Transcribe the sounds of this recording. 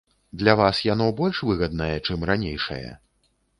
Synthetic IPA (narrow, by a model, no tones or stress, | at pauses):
d̪lʲavasjanɔbɔlʲʂvɨɣɐd̪̚nɐjɛt͡ʂɨmranʲejʂɐ̰jɛ̰